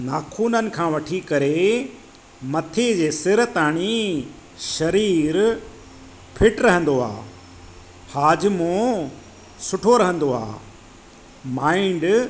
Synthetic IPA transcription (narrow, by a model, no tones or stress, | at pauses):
naːkʰuːnənɪ̆kʰãːʋɐʈʰikɐɾe | mɐt̪ʰed͡ʑeːsɪɾt̪aːɽ̃i | ʃɐɾiːɾ | pʰɪʈɾɐɦə̃n̆d̪oa̰ː | haːd͡ʑmõ | sʊʈʰoɾɐɦə̃nd̪oa̰ː | maːɪɳɖ